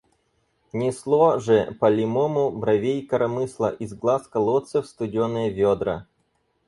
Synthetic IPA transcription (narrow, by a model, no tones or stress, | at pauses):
nʲɪslˠoʐɛpɐlʲɪmomʊbɾɐvʲejkɐɾɐmɨslˠɐʔizɡlˠaskɐlˠot̪sɨfst̪ʊdʲɪonəjəvʲod̪ɾɐ̰